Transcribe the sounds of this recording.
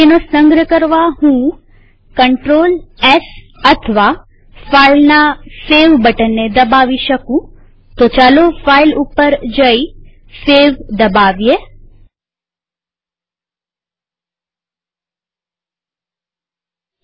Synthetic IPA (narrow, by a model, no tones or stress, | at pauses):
enosə̃ŋɡɾəkəɾʋaɦũ | kəɳʈɾoːlɛs | ət̪ʰʋa | failnaseʋbəʈənːed̪əbaʋiʃəkũ | t̪ot͡ʃalofailupəɾd͡ʒəi | seʋd̪əbaʋje